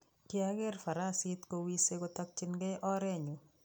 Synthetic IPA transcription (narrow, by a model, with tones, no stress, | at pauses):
kɪ˦a˦ɡɛ˦ɾfa˨ɾa˦sɪ˦t̪ko˧wi˦se˦ɡo˦t̪ɔ˦k̚t͡ʃɪ˦nɡɛ˦ʔɔ˦ɾɛ˦ɲu˨